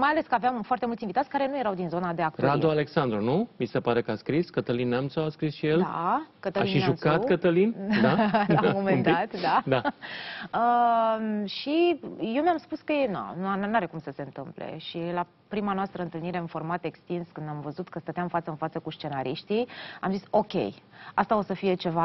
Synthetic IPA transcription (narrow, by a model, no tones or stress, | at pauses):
majaleskəaveamfoart̪emult̪sʲinvit̪at̪sʲkaɾe̞nuje̞ɾawd̪inzo̞nad̪eak̚t̪rad̪oale̞ksand̪ɾunumisepaɾekəaskɾiskət̪əlinːamt̪soaskɾisʃijela̰kət̪əainʃiaʒumkat̪kət̪əlindd̪aammomenat̪d̪ad̪a | ə | ʃije̞wmʲamspuskəjena̰nanaɾe̞kumsəse̞ɨnt̪ɨmplḛʃila | pɾimanoast̪ɾəɨnt̪ɨlniɾe̞ɨnfo̞rmat̪ekst̪inskɨnd̪amvəzut̪kəst̪ət̪eamfat̪səɨnfat̪səkuʃt͡ʃe̞naɾiʃt̪iamziso̞kʲḛjast̪ao̞səfie̞t͡ʃe̞va